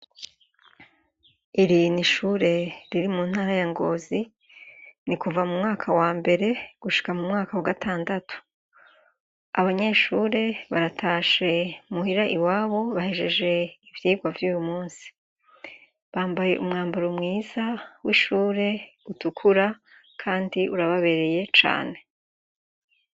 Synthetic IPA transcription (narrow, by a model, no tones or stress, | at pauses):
iɾiniʃuːɾe̞ɾiɾimuːn̥haːɾajaŋɡo̞ːzi | nikuvamumŋaːkʰawaːmbe̞ɾe̞ɡ̥uʃi̥kamumŋaːkawaɡatʰaːndatu̥ | aβaɲe̞ʃuːɾe̞βaɾatʰaːʃe̞muhiɾaʔiwaːβo̞βahe̞ʒe̞ʒe̞ivjiːɡwavjuːjumuːnsi̥ | βaːmbaje̞̰ʔumŋaːmbaɾomŋiːzawiʃuːɾe̞utukʰuɾa | kʰaːndiʔuɾaβaβe̞ɾe̞je̞t͡ʃa̰ːne̞